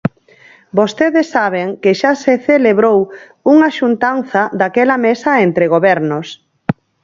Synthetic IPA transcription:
bost̪eðɪsːaβ̞eŋkɪʃaseθeleβɾow | uŋaʃunt̪anθɐd̪akɛlɐmesɐent̪ɾeɣ̞oβɛɾnʊs

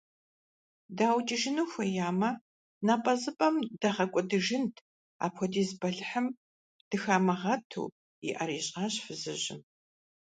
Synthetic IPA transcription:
daːwt͡ʃʼiʒɪnuxʷɐjaːmɐ | naːpʼɐzɨpʼɐmdɐʁɐkʷʼɔdɨʒɪntʰ | a̰ːpʰxɔdiːzbɐɮħɨm | d̥ɨxaːmɐʁɐtʰṵː | ḭʔɐɾiːɕʼaːɕfɨzɨʑɪ̰

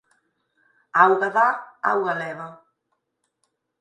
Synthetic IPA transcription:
awɣaðaa̰wɣalɛβa

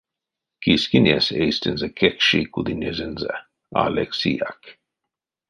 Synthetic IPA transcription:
kiskinjesejst̪ɪnzəkʰɛkʃikud̪inezɪnzə̰ | a̰leksiːak

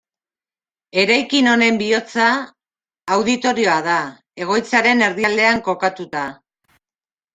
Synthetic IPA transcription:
e̞ɾajkino̞ne̞mbio̞t͡saː | wðit̪o̞ɾio̞að̞a | e̞ɣ̞o̞jt͡saɾe̞ne̞ɾðiald̪e̞aŋko̞kat̪ut̪a

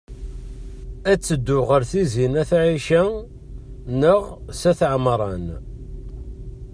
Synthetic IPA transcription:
æt͡sːəd̪ːʊʁəɾθizinæθʕiʃæ | nəʁsæθʕmɾˤɑn

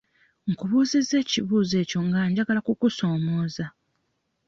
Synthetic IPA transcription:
ŋ̩kuβuːzize̞ːciβuːze̞ːco̞ŋɡaːɲɟaɡalakukuso̞ːmo̞ːza

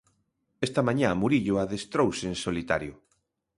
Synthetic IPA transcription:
est̪ɐmãɲãmuɾiʎʊaðest̪ɾowseensolit̪a̰ɾjʊ

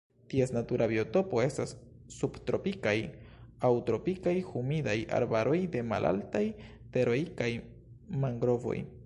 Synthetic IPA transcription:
tie̞snatuɾʔabioto̞po̞e̞stasː | ubtɾo̞pikajawtɾo̞pikajhumidaja̰ɾbaɾo̞jde̞ma̰lʔa̰ltaj | te̞ɾo̞jkaj | maŋɡɾo̞vo̞̰j

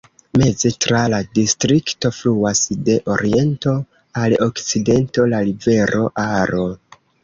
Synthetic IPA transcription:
me̞ze̞tɾaladistɾikto̞fluasde̞ʔo̞ɾie̞nto̞ | alokt͡side̞nto̞lalive̞ɾʔo̞ʔaɾo̞

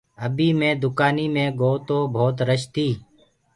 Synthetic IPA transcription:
əbiːmẽːd̪ʊkaːniːmẽːɡoːt̪oːbʱoːt̪ɾəʃt̪iː

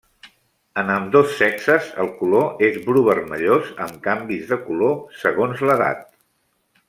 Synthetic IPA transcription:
ənəmd̪osːɛksəzə̰lˠkuloezβɾuβərməʎozə̰mkambizðəkulosəɣonzləða̰t̪̚

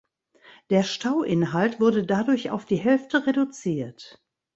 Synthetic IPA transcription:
d̥eːɐʃtʰaʊʔɪnɦaltv̥ʊɐdədadʊɐça̰ʊfd̥iːɦɛlftəʁedut͡siːɐt

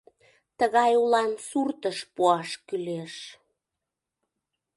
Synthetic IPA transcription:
t̪əɣɑjulɑnsurt̪əʃpuɑʃkyleʃ

